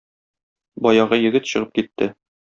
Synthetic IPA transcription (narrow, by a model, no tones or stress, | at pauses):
bɒjɑʁɤjɘ̆ɡɘt̪ɕɤ̆ʁɤp̚kit̪ːɘ